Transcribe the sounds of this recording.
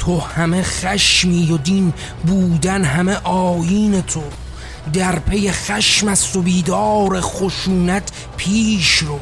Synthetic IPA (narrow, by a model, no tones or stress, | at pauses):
t̪ʰohæmeχæʃmiːjod̪in | buːd̪ænɦæmeʔɒːjiːne̞t̪ʰo | d̪æɾpʰe̞jeχæʃmæst̪o̞biːd̪ɒːɾeχoʃuːnæt̪ʰ | pʰiːʃɾo